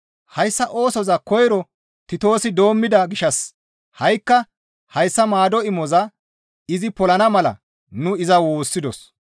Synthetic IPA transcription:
hɐjsːɐʔo̞ːsɔzɐkɔjɾɔ | t̪ɪt̪o̞ːsɪd̪o̞ːmːɪd̪ɐɡɪʃɐs | hɐjkːɐ | hɐjsːɐmaːd̪ɔɪmɔzɐ | ɪzɪpɔlɐnɐmɐlɐ̰ | nʊɪzɐwoːsːɪd̪ɔs

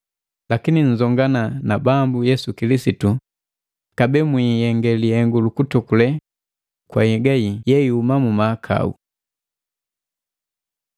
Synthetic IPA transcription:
lakiniɲ̩zɔŋɡananabambujɛsukilisitu | kabɛmwijɛŋɡɛlihɛŋɡulukutukulɛ | kwa̰hɛɡajijɛiumamumaːkʰa̰ṵ

